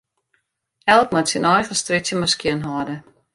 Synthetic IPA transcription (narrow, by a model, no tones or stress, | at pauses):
ɛlˠk̚matsinɔjχəstritsjəmaskjiənɦɔdə